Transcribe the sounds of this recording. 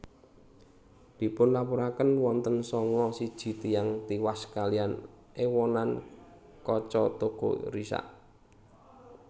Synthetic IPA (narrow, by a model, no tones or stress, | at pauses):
d̪̥i̤pʊnlapuɾakənwɔnt̪ənsɔŋɔsid̥ʒ̥i̤t̪ijaŋt̪iwaskalian | ewɔnan | kɔt͡ʃɔt̪oɡ̥o̰ɾisa̰ʔ